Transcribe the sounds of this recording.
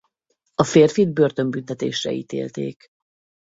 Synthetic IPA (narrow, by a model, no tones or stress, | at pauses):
ɒfeːrfid̪̚bø̞rt̪ø̞mbynt̪ɛt̪eːʃrɛ̰ḭːt̪ḛːlt̪ḛːk